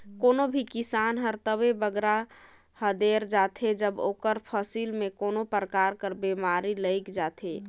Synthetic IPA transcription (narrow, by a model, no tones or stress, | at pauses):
konobʱikisanɦəɾt̪əβebəɡɾa | həd̪eɾd͡ʒat̪ʰed͡ʒəbokəɾpʰəsilmekonopɾəkaɾkəɾbemaɾiləɪkd͡ʒat̪ʰe